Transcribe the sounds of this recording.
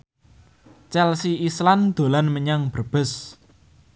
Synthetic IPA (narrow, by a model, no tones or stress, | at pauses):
t͡ʃɛlsiisland̪̥o̤lanməɲaŋb̥ərb̥ə̤s